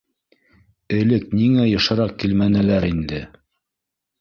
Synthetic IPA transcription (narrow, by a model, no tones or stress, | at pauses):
ɘ̆lɘkniŋæjɤ̆ʃɤ̆ɾɑq̚kilmænɘ̆læɾind̪ɘ